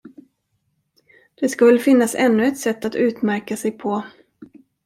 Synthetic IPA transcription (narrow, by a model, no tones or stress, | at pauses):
d̪̥ɛskɵvɛlːəfɪnːasɛ̰nːɵɛt̪sɛt̪ːat̪ʉ̟ːt̪mæɾkasɛjpʰɔ